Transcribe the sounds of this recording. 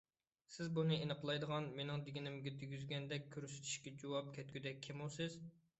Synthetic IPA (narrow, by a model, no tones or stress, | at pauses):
sɪzbunɨenəqlˠɑjd̪əʁɑnmenɪŋd̪ɪɡʲinɪmɡʲɛd̪yɡʲyzɡʲɛnd̪ɛkʲʰːøɾsy̥t̪ʰy̥ʃkʲɛd͡ʒowɑp̚kʲʰɛt̪ɡʲyd̪ɛk̚ʲʰːemosɪz̥